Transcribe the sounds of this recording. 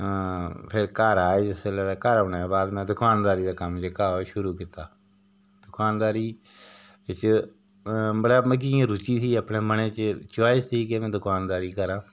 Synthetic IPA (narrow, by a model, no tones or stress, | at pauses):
pʰɪɾkəɾaːed͡ʒɪselɛːlaːkəɾoneːbaːd̪mɛ̃ːd̪ʊkʰaːnd̪aːɾiːd̪aːkəmd͡ʒəkaːoʃʊɾuːkit̪aː | d̪ʊkʰaːnd̪aːɾiː | t͡ʃ | məɽaːmək̬iãːɾʊt͡ʃiːsiːəpneːməneːt͡ʃət͡ʃʊaːeːsiːkemɛ̃ːd̪ʊkʰaːnd̪aːɾiːkəɾãː